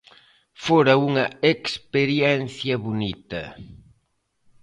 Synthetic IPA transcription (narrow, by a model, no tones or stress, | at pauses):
foɾɐuŋɐekspeɾjɛnθjɐβonit̪ɐ̰